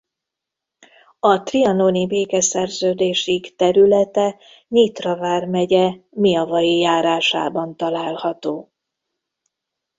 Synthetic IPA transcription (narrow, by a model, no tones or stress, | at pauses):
ɒt̪riɒnonibeːkɛsɛrzøːd̪eːʃikt̪ɛɾylɛt̪ɛ | ɲiːt̪rɒvaːrmɛɟɛmiɒvɒjijaːɾaːʃa̰ːbɒnt̪ɒlaːlhɒt̪oː